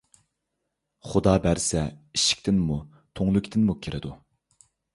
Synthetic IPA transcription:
χʊd̪ɑːbæɾsɛiʃi̥kʲt̪ʰɪnmu | t̪ʰoŋlˠʊkʲt̪ʰɪnmukʲʰiɾʔɪd̪u

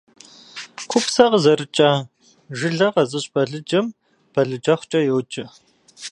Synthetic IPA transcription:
kʷʰʊpsɐʁzɐrɨt͡ʃʼaː | ʒɪɮɐqɐzɨɕʼbɐɮɨd͡ʒɐm | b̥ɐɮɨd͡ʒɐχʷt͡ʃʼɐjɛwt͡ʃʼɪ

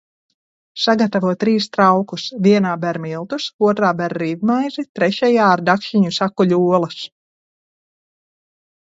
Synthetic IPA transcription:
saɡat̪avuɔt̪ːɾiːst̪ɾawkusvʲiɛnaːbɛɾmilˠt̪usuɔt̪ɾaːbɛɾːivmajzit̪ɾɛʃɛjaːɾd̪akʃiɲusakːuʎʲuɔlˠɐs

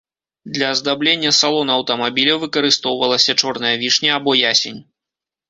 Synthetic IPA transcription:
d̪lʲɐzd̪ablʲenʲːɐsalˠɔnɐɐwt̪ɐmabʲilʲɐwvɨkɐɾɨst̪ɔwvɐlˠɐsʲɐt͡ʂɔrnɐjɐvʲiʂnʲɐabɔjasʲenʲ

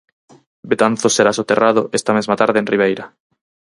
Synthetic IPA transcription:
bet̪an̟θoseɾasot̪erʔaðoʔest̪amezmat̪aɾðeːnriβ̞ejɾa

